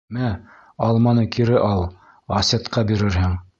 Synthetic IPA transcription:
mæ | ɑlˠmɑnɤkʰiɾɘʔɑlˠ | ɑset̪qɑbiɾɘɾhɘŋ

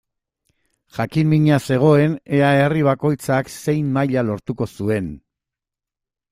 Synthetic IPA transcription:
ʝakimmiɲase̞ɣ̞o̞e̞ne̞aeriβ̞ako̞jt͡sakse̞jmːajʎalo̞ɾt̪uko̞sue̞n

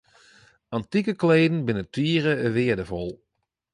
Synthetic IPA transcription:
ɑntikəkleːdn̩bɪnətʰiːɾəəʋɪədəvɔlˠ

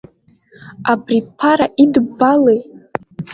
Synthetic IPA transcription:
abripʰaɾaʔidbalej

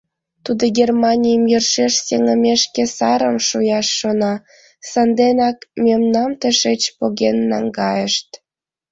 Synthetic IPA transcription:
t̪ud̪oɡermɑnʲijəmjərʃeʃseŋəmeʃkesɑɾəmʃojɑʃːonɑ | sɑnd̪enɑkmemnɑmt̪əʃet͡ɕpoɣenːɑŋɡɑjəʃt̪

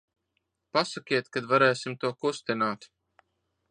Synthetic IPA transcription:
pasakʲiɛt̪kad̪vaɾɛːsimt̪uɔkust̪inaːt̪

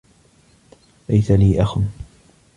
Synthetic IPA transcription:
lajt̪aliːʔaxʊn

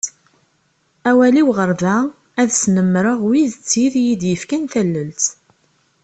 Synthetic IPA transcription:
æwæliwʁəɾðæ | æðsnəmːɾəʁwiðt͡sːiðjid̪jəfkænθælːəlt̪

